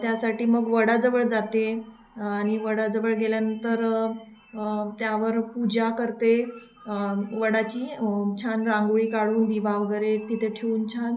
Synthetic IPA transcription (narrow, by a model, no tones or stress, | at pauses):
t̪jasaʈiːməɡʋəɽad͡zəʋəɭd͡zat̪e | aɽ̃iʋəɽad͡zəʋəɭɡeljanənt̪əɾ | t̪jaʋəɾpud͡ʑakəɾt̪e | ʋəɽat͡ɕiːt͡ɕʰanɾãŋɡuɭiːkaɽuːnd̪iʋaʋəɡəɾet̪it̪ʰeʈʰeuːnt͡ɕʰan